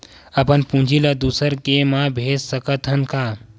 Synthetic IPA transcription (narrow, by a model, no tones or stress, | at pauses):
ɐpənpũd͡ʒʱilad̪usəɾkemãbʱeːd͡ʒsəkət̪ʰɦənka